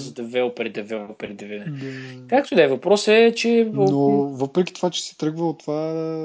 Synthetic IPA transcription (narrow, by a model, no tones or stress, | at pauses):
zɐd̪ɐvɛopɾɛd̪ɛvɛpɾɛd̪ɛvɛnɛkak̚t̪od̪ɛvɐpɾɔsɛt͡ʃɛnovɤpɾɛk̟ʲit̪o̥vat͡ʃɛ̥sɛ̥t̪ɾɤɡvəot̪ova